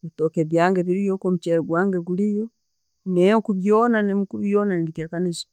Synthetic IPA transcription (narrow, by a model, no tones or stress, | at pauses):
itokeβjaŋɡeβiɾijokomut͡ʃeɾɡwaːŋɡeɡulijo | nekuβjonanemkuβjonanilitekanizi̥